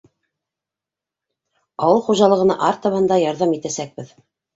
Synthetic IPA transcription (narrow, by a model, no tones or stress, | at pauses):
ɑwɤlˠχuʒɑlˠɤ̆ʁɤ̆nɑ̰ʔɑɾt̪ɑ̆βɤnd̪ɑjɑɾðɑmit̪æsæk̚bɘð